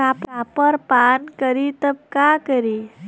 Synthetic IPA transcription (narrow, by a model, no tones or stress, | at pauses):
kapapəɾpankəɾit̪əb̚kakəɾi